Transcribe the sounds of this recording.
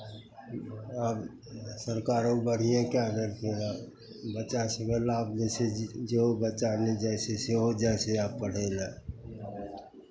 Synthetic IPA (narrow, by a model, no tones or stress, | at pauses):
ab | səɾkaːɾobəɽ̤ijãkad̪əɾkela | bət͡ʃasəmelablesed͡ʒeɦobət͡ʃaled͡ʒɛseseɦod͡ʒaseaːpːəɽ̤ela